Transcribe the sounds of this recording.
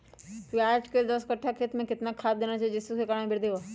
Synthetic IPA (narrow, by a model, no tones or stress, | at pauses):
kaːd͡ʒkeld̪əskɐʈʰːakʰeːt̪mẽkɪt̪nakʰaːt̪̚d̪eːnat͡ʃaːijed͡ʒɪsukekaɾẽbʱɪɾd̪eʋa